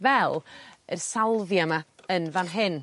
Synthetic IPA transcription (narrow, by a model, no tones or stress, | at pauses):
vɛlˠərsalˠvjamaənvanɦɪn